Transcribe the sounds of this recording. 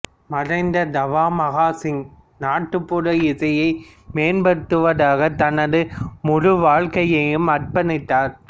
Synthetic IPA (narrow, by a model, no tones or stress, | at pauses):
mɐrɐɪnd̪ɐd̪ɐʋaːmɐɣaːsɪŋ | naːʈːɯpːʊɽɐɪðɐjɐɪ | meːnbɐɾɯt̪ːɯʋɐðaːɣɐt̪ɐnɐðɯmʊɻʊʋaːɻkɐjɐjɯmɐrpɐnɪt̪ːaːɾ